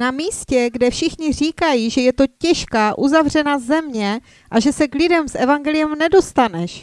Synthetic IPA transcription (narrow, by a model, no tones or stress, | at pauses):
namiːscɛɡdɛfʃɪxɲɪr̝iːkajiːʒɛjɛt̪o̞cɛʃkaːʔuzavr̝ɛnazɛmɲɛ | ʔaʒɛsɛklɪdɛmsʔɛvaŋɡɛlɪjɛmnɛdo̞st̪anɛʃ